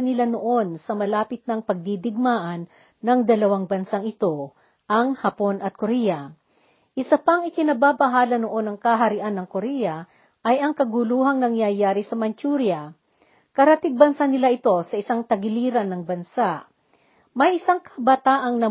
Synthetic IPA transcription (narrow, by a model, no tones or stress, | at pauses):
nɪlanoʔo̞nsɐmɐlaːpɪt̪̚nɐŋpɐɡ̚d̪id̪ɪɡ̚maːʔɐnː | ɐŋd̪ɐlɐwaŋbɐnsaŋɪt̪o̞ | ʔɐŋhɐpo̞nʔɐt̪̚koɾɛjɐ | ʔɪsɐpɐŋɪkɪnɐbaːbɐɦaːlɐnoʔo̞nɐŋkɐɦɐɾɪʔanːɐŋkoɾɛjɐ | ʔɐjɐŋkɐɡuluːɦɐŋnɐŋjɐjaːɾisɐmɐnt͡ʃuɾjɐ | kɐɾɐt̪ɪɡ̚bɐnsanɪlaʔɪt̪o̞sɐʔɪsaŋt̪ɐɡɪliːɾɐnːɐŋbɐnsaʔ | mɐjʔɪsaŋkʰɐbɐt̪aːʔɐŋnɐ